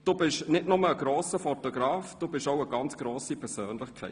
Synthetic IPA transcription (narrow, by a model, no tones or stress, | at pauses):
d̥uːbɪʃnɪtnʊməːɡ̥ɾoːsəfɔtɔɡ̥ɾɑːfd̥uːbɪʃoʊəɡɑnt͡sɡ̥ɾoːsipʰɛɾsøːnlɪχkʰɛ̰ɪ